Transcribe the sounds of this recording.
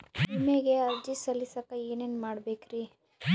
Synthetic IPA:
imeɡeɐɾd͡ʒisɐlːisɐkːaeːneːnmaːɽbeːkɾi

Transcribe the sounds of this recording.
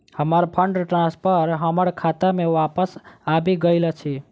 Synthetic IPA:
həməɾpʰəɳɖʈɾãspʰəɾɦəməɽkʰat̪amẽʋapəsabiɡəɪlət͡ʃʰi

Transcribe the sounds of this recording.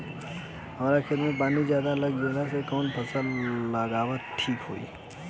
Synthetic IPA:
ɦɐmaːɾakʰet̪mẽp̬aːnizjaːd̪aləɡ̚d͡ʒeːd̪asekɔːnpʰɐsəlːəɡaːwət̪ʈʰiːkɦo̰ːḭː

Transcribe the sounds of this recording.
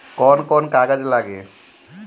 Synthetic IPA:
kɔnkɔnkaɡad͡ʒelaɡe

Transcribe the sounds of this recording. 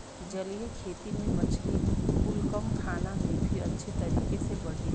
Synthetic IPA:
d͡ʒɐlijekʰeːt̪imẽmɐt͡ʃʰliʊlkəʊ̃k̪ʰaːnamẽbʱiɐ̰tːʃʰet̪ɐɾiːkesebɐɽ̤i

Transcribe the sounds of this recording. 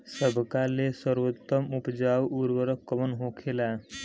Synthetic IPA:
səbʱkalesəɾʋot̪ːəmupd͡ʑawuɾʋəɾəkːəmənɦokʰela

